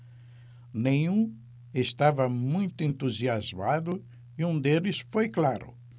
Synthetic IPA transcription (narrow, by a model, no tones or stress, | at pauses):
nẽj̃ũ | est̪avɐmũj̃t̪ʊẽnt̪uziazmad̪ʊ | iũd̪elɪsfojklaɾʊ̰